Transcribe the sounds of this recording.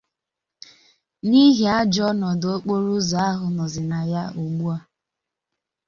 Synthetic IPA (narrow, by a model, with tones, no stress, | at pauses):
ni˦ɦi˨a˦d͡ʒɔ˦nɔ˨do˦k͡po˦ɾu˦zɔ˨a˦ɦʊ˨nɔ˨zɪ˨na˨ja˦o˨ɡ͡bu˦a˦